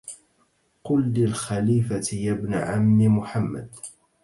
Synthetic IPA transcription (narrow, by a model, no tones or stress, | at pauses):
qʊlːilxaliːfat̪ɪjabnʕamnɪmʊħamːa̰d̪̚